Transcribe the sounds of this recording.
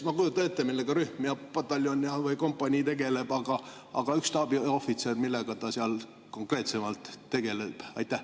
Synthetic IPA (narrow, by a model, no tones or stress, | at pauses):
mɑkujut̪ːˑɑne̞t̪ːemilːeɡ̥ɑɾyhmiɑpɑt̪ːˑɑlːjonʲiɑvɯjko̞mpːˑɑnʲiːt̪e̞ɡ̥e̞le̞b̥ɑɡ̥ɑ | ʔɑ̰ɡ̥ɑykst̪ɑb̥io̞fit̪sermilːe̞ɡ̥ɑt̪ɑsiɑl | ko̞ŋkre̞ːt̪se̞mɑlt̪ːe̞ɡ̥e̞leb̥ɑjt̪ːˑæh